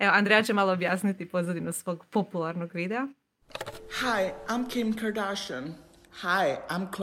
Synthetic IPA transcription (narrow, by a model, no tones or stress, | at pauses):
eoand̪ɾejat͡ɕemaːlˠoːbjaːsnit̪ipozʋod̪inasʋo̞ːɡpo̞pulˠaɾnoɡʋid̪ea | haɪãɪ̃mkʰɪ̃mkʰaɹdaʃə̃n | haɪãɪ̃mkʰ